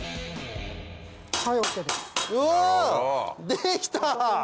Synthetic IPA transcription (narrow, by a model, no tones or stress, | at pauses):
hajoked̪esɯ | d̪ekʲi̥t̪a